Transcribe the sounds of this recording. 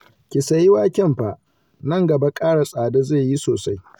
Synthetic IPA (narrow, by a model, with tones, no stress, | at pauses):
kʲɪ˨sa˨jɪ˦waː˦kʲɛ˦mɸa˨ʔ | nɐ˦ŋɡɐ˨ba˦kʼaː˦ɽa˨sʼaː˨da˦zeː˦˨ji˦soː˨sa˦j